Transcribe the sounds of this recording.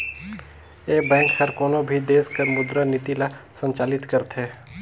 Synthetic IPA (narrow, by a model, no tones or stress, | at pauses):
eːbɛ̃ːkhɐɾkoːnobʱid̪eːskəɾmʊd̪ɾanɪt̪ilasə̃ɲt͡ʃaːlɪt̪kɐɾt̪ɦɛː